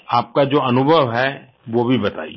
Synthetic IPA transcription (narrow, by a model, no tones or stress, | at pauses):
aːp̚kad͡ʒoːɐnʊbʱəʋɦɛ | ʋobʱibɐt̪a̰ːḭ